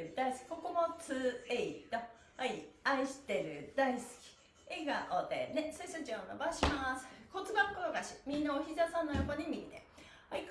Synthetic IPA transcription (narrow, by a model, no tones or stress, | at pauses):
ɯd̪aisɨ̥kʲi̥ko̞komot͡sɨeit̪o | aiaiɕi̥t̪e̞ɾɯ̟d̪aisɨ̥kʲi̥ | eɡaʔod̪ḛnesoisot͡ɕiaonobaɕimasɨ̥kot͡sɨbakoɡaɕi̥mʲĩnːaoçizasãnːojo̞koɲ̟imʲiɲʲit̪ḛ | aik